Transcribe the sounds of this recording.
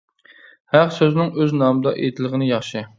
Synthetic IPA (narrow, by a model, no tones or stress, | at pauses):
hæqsøzɪnɪŋøznɑːmɨd̪ɑʔḛt̪ʰɪlˠʁənɪjɑχʃi